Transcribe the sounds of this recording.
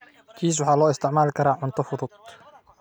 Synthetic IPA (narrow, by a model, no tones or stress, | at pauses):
kʰiːs̬wɑħɑːlɔːɪst̪ʰɪʕmaːlkʰɐɾaːʕʊnt̪ʰɐfʊd̪ʊd̪̚